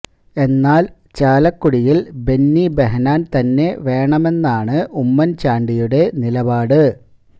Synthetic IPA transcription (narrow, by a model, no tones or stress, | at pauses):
e̞nːaːl | t͡ɕaːlɐkːuɽijilbe̞nːibe̞ɦɐnaːnt̪ɐnːe̞ʋe̞ːɳɐme̞nːaːɳɨʔumːɐnt͡ɕaːɳɖijuɽe̞nilɐbaːɽɨ